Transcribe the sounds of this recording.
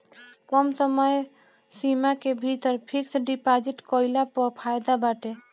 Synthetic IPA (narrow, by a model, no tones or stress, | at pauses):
kɔmsəməj | simakebʱit̪əɾpʰiksɖipad͡ʒiʈkɔɪlapɔpʰajd̪abaʈe